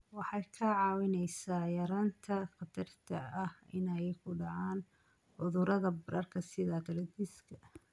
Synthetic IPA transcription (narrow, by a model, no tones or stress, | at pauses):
wɑħɑjkʰɐʕɑːwɪnɛjsaːjɐɾaːnt̪ʰɐqɑd̪ʰɐrt̪ʰɐɐhɪ̰nɐjɛjkʰʊɖɑʕaːn | ʕʊðʊɾɐðɐbɐɾɐrkʰɐsɪðɐd̪ɐɾɐd̪iskʰɐ